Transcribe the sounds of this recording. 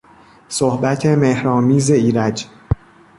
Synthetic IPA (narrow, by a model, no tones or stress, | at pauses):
sohbæt̪ʰe̞mehɾɒːmiːze̞iːɾæd͡ʒ